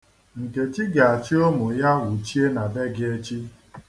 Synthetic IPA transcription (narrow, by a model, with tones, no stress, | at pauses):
ŋ̩˨ke˨t͡ʃi˦ɡa˨a˨t͡ʃi˦o˦mʊ˨ja˦wu˨t͡ʃi˦e˦na˨be˦ɡɪ˦e˦t͡ʃi˦